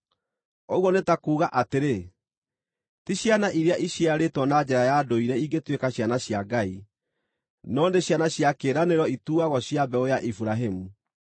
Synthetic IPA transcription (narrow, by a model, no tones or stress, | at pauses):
ɔɣwɔnetakuːɣaʔateɾe | tiɕjanaʔiɾeaʔiɕiaɾetwɔnad͡ʑɛɾajadoiɾɛiɡetwekaɕjanaɕjaɡai | nɔːndeɕjanaɕjakeɾaneɾɔituːaɣɔɕjabɛojaʔifuɾaɦemu